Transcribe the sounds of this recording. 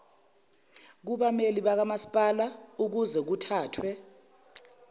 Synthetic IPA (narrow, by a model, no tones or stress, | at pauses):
k̬uɓameliɓak̬amasi̥pʼalauk̬uzɛk̬utʰaːtʰwɛ